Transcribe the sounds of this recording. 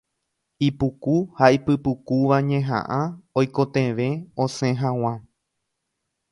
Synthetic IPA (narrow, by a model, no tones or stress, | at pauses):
ipukuhaipɨpukuʋaɲẽɦã̰ʔãojkot̪ẽʋẽ̞õsẽɦãw̃ã